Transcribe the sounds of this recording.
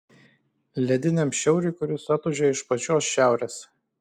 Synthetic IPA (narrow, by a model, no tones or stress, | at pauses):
lʲɛd̪ʲɪnʲɛmʃʲɛʊɾʲʊɪkʊɾʲʊsɐt̪ʊʒʲɛɪʃpɐt͡ʃʲoːsʃʲæˑʊɾʲeːs